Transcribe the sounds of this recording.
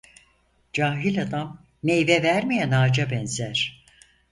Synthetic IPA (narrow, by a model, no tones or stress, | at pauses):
d͡ʒaːɦilʲad̪amː | ejvɛvæɾmejænaːd͡ʒabɛnzæɾ̥